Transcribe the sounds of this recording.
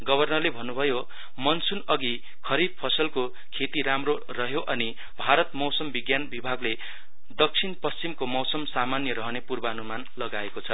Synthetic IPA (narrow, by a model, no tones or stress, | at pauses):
ɡʌbʱʌrnʌrlebʱʌnːubʱʌjo | mʌnsunʌɡi | kʰʌɾid̪̚pʰʌsʌlko | kʰet̪iɾamro | rʌɦjoʔʌni | bʱaɾʌt̪mʌwsʌmbiɡjanbibʱaɡle | d̪ʌk̚sʰinpʌst͡simkomʌwsʌmsamanjʌɾʌɦʌnepurbaʌnumanlʌɡaekot͡sʰʌ